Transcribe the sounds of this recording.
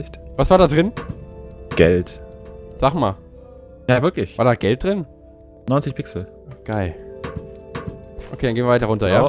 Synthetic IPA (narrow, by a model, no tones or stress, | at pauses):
ɪtv̥asv̥aːɐdaːdʁɪn | ɡ̥ɛ̰ltz̥aːχma̰ː | javɪɐklɪçvaɐdaːɡɛlt̚d̥ʁɪn | nɔʏnt͡sɪçpʰɪksl̩ | ɡ̥aɪl | ʔokʰeːdanɡeːnvʲjɪvaɪtɐʁʊntɐjaː